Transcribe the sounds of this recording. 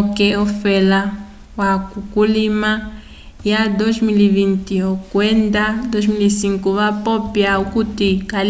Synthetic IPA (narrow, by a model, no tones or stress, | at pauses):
kɛɔfɛla | wakukulima | jad̪ozmilivintiokwɛnd̪ad̪ozmilisiŋkuβapɔpjaukutikal